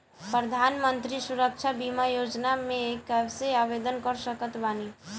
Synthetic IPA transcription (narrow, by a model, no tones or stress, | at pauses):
pɾəd̪ʱanmənt̪ɾisuɾək̚t͡ʃʰabimajod͡ʒnamekəbseabed̪ənkəɾsəkət̪bani